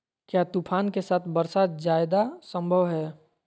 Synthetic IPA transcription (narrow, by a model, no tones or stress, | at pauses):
kjaːt̪upʰaːnkesaːt̪ʰbəɾsaːt̪̚d͡ʒaːɪd̪asə̃mbʱəʋɦɛː